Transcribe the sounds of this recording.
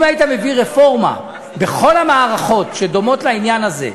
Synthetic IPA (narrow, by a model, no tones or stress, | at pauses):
mait̪ame̞viʁe̞fo̞ʁma̰ | be̞χo̞lamaːʁaχo̞tʃe̞d̪o̞mo̞tlainjanazḛ